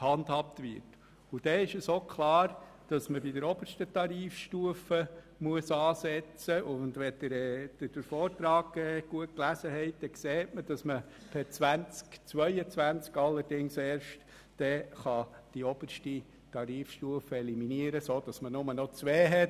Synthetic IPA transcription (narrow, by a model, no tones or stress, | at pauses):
hɑndhɑp̚tʋɪ̰ɾt | ud̥ɛɪʃəsoːkʰlɑːɾ | d̥ɑsməbidəɾɔb̥əɾʃtətɑɾiːfʃtuəfə | muəsɑːsɛt͡səʔʊndʋɛd̥əɾɛd̥əd̥əɾfɔːɾt̪ɾɑːɡɛːɡ̥uət̚klæsəɦɛɪt̚d̥ɛkseːtməd̥ɑsmə | pʰɛt͡sʋænt͡skt͡sʋœʏət͡sʋænt͡skɑlːəɾdɪŋsɛːɾʃt | d̥ɛχɑd̥iɔb̥əɾʃti | tɑɾiːfʃtuəfəɛliminiəɾəsoːd̥ɑsmənʊmənɔt͡sʋɛːɦɛ